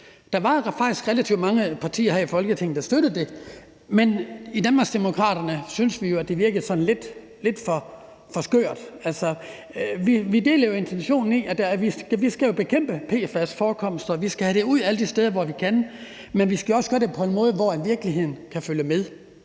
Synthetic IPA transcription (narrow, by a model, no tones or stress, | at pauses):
d̥ɑ̈ʋɑ̈fɑ̈ɡ̥d̥isɡ̥ʁelæt͡sʰḭʊ̥mɑ̈ŋəpʰɑ̈t͡sʰḭːɐɦæifɒ̽lɡ̥ət͡sʰe̝ŋ̰n̩d̥ɑsd̥øɾ̥əð̩ˠd̥e̝ | menid̥ænmɑ̈ɡ̥sd̥emo̝kʰʁɑ̰̈ːɾ̥ɐnəsynsʋijo̝æd̥e̝ʋiɐɡ̥əð̩ˠsɒ̥̽n̩le̝d̥ | le̝d̥fɒ̽ | fɒ̽sɡ̥ø̰ːɐd̥ælsɒ | ʋiʋide̝ːlɐjo̝e̝nt͡sʰenɕo̝̰ːnn̩iæd̥æʋisɡ̥ʋisɡ̥æjo̝b̥e̝kʰem̰b̥əpʰe̝̰ːfæsfɒːkʰɒ̽msd̥ɐɒʋisɡ̥æhæɾ̥e̝uð̞̰ˠæləd̥isd̥eːðˠɐʋɒʋikʰæn | menʋisɡ̥æjo̝ɒ̽səɡ̥ɶɐd̥epʰɒ̽e̝nmɔ̽ːð̞ˠəʋɒænʋiɐɡ̥liɦe̝ð̰ˠn̩kʰæføljəmeðˠ